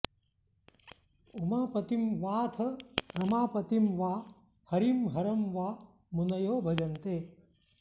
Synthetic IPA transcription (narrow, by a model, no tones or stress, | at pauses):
umaːpɐt̪imʋaːt̪ʰɐnɐmaːpɐt̪imʋaː | hɐɾimɦɐɾɐmʋaː | munɐjoːbʱɐd͡ʒɐnt̪eː